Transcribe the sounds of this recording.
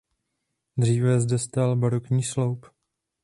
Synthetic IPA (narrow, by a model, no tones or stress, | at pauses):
d̪r̝iːvɛzdɛst̪albaɾokɲiːslowp